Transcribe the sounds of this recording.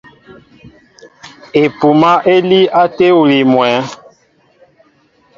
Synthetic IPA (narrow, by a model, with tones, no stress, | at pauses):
e˨pu˨ma˦ʔe˦li˦a˦te˦u˨li˨mwɛ˨˦